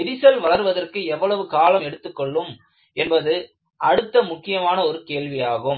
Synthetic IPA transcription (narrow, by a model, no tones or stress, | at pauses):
ɪɾɪsɐlʋɐɭɐɾʋɐðɐrkɯɛʋːɐɭɐʋɯkaːlɐmɛɽɯt̪ːɯkːɔɭːɯm | ɛnbɐðɯ | ʔɐɽɯt̪ːɐmʊkːɪjɐmaːnɐɔɾɯkeːɭʋɪjaːɣɯm